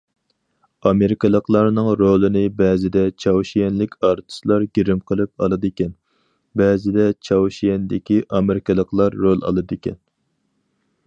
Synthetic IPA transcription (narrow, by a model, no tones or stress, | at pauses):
ɑmeɾɪkɨlˠəqlˠɑɾnɨŋɾolˠɨnɪbɛːzɪd̪ɛt͡ʃʰɑwʃijɛnlɪkʲʰɑɾt̪ʰɨ̥slˠɑɾɡʲiɾɪmqʰəlˠɨp̚ɑ̰lˠɨd̪ɨkʲɛn | bɛːzɪd̪ɛt͡ʃʰɑwʃijɛnd̪ɪkʲiʔɑmeɾɪkɨlˠəqlˠɑɾːolˠɑ̰lˠɨd̪ɨkʲʰɛ̰n